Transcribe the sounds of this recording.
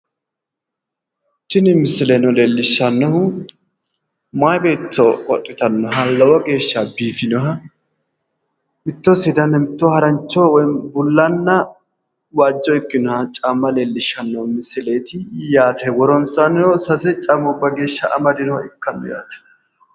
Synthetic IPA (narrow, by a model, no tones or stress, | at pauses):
tːɪnɪmɪsɪlenɔleːlːɪʃːɐnːɐhʊ | majbe̞ːt͡ʃːɔkʼɔtʼːɪt̪ɐnːɔɦɐlːɐwɐɡe̞ːʃːɐbiːfɪnɔɦɐ | mɪt̪ːɔsɪd̪ɐnɐmɪt̪ːɔhɐɾɐnt͡ʃːɔwɔjbʊlːɐnːɐ | waːd͡ʒːɔɪkːɪnɔhɐt͡ʃʼamːɐleːlːɪʃːɐnːɐhʊmɪsɪle̞ːt̪ɪjaːt̪ʰɛɡɔɾɔnsɐnɔsɐsɛt͡ʃʼɐmɔbːɐɡe̞ːʃːɐɐ̰mɐd̪ɪnɔhɪkːɐnːɔ̰ja̰ːt̪ɐ̥